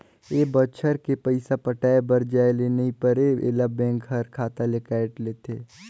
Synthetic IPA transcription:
eːbəʃʰəɾkepəɪsapəʈaːebəɾd͡ʒaːeleneipəɾeḛːlabɛ̃ːŋkɦɐɾkʰaːt̪alekɛːʈleːt̪ʰeː

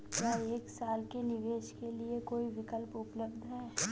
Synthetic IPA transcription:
kaːeːksaːlkenɪʋeːʃkeliekoːiʋɪkəlpʊpləbd̪ʱɦɛː

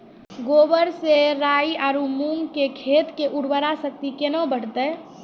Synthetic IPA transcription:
ɡobəɾseɾaiaːɾumuŋɡkekʰet̪keʔuɽbəɾasək̚t̪ikenobəɽ̤t̪ə

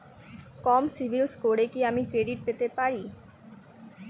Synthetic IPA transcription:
kɔmsibʱilskoɽekiamikɾeɖiʈ̚d̪et̪epaɾi

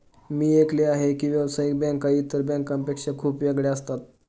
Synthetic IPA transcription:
miːekleaɦekiːʋjɛʋsajik̚bɛ̃ŋkait̪əɾbɛ̃ŋkãmpekʂakʰuːpʋeɡɭeəst̪at̪

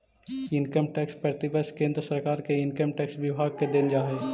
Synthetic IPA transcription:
ɪ̃nkəmʈɛːkspəɾt̪ibəskẽːnd̪ɾəsəɾkaːɾkeɪnkəmʈɛːksʋɪbʱaːɡ̚ked̪end͡ʒaːɦeː

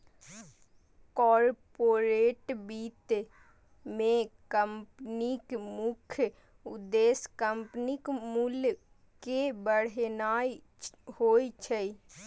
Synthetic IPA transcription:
kɔːɾpoːɾeːʈbiːt̪ | mẽkəmpnikmʊkʰj | ʊd̪eːskəmpnikmul | kebəɽnaːi | hoːt͡ʃʰəi

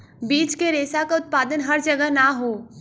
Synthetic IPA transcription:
biːt͡ʃkeɾeːsakaʊt̪̚paːd̪ənɦɐɾd͡ʒɐɡəɦnaɦoː

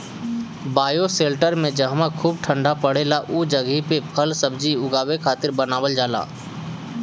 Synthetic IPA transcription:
baːjoseːlʈəɾmẽd͡ʒəɦmakʰuːb̚ʈʰə̃ɳɖapəɽeːlaʔuːd͡ʒəɡipepʰəlsəbd͡ʒiʊɡaːwekʰaːt̪ɪɾbənaːʋəld͡ʒaːla̰ː

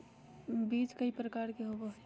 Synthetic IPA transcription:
biːt͡ʃkəipɾəkaːɾkeɦoboɦ

